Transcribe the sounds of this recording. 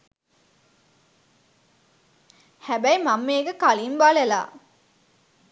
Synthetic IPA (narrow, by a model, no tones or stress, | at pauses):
hæbæjmamːeːɡəkalimbalela̰ː